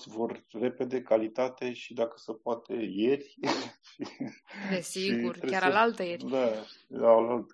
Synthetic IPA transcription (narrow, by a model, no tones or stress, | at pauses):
vo̞rre̞pe̞d̪e̞kalit̪at̪e̞ʃid̪akə̥səpoat̪e̞je̞rʲfid̪esiiɡurɾeaɾalalt̪əjeɾd̪aalalt̪ə